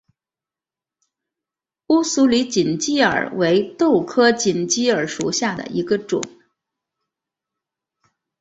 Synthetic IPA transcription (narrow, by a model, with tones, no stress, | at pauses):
u˥su˧˥li˧˥t͡ɕi˨˩nt͡ɕi˥ə̰˞˨˩we˧˥ɪt̪o˥˩ʊkʰɤ˥t͡ɕi˨˩nt͡ɕi˥ə˞˨˥ʂu˨˩ɕja˥˩d̪ə̰˨˩i˧˥ɡə˧ʈ͡ʂʊ̰˨˩˦ŋ